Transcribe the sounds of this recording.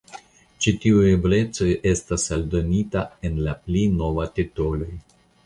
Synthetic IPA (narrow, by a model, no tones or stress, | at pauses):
t͡ʃitiueble̞t͡so̞je̞stasaldo̞nitae̞nlaplino̞vatitolo̞j